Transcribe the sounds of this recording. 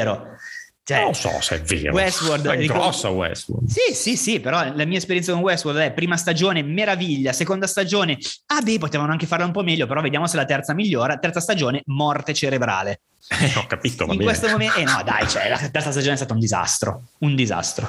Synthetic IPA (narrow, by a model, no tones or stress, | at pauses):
ɾo | t͡ʃɛsɔ̰sɛ̰vḛːɾo̰wɛst̪word̪ɛiɡɾɔsːa̰wɛ̰swo̰rd̪sisisipeɾɔlamiːaespeɾjɛnt̪sakonwɛsword̪ɛpɾiːmast̪ad͡ʒoːnemeɾaviʎːasekond̪ast̪ad͡ʒoːneabɛp̬ot̪eːvanoaŋkefarlaumpɔmɛʎːopeɾɔved̪jaːmoselat̪ɛrt̪samiʎːoːɾat̪ɛɾrt̪sast̪ad͡ʒoːnemɔrt̪et͡ʃeɾebɾa̰ːle | ɔkːapit̪o̰vaiŋbwest̪omomeenɔd̪a̰jt͡ʃoɛ̰la̰t̪ɛrt̪sas̬t̪ad͡ʒoːneɛst̪at̪aund̪iza̰st̪ɾo̰und̪iza̰st̪ɾo̰